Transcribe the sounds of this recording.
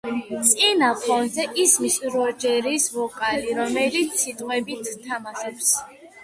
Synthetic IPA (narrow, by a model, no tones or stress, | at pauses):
t̪sʼinapʰɔnzɛʔismisɾɔd͡ʒɛɾisvɔkʼaliɾɔmɛlit̪sʰːit̪ʼqʼwɛbit̪ʰːamaʃɔps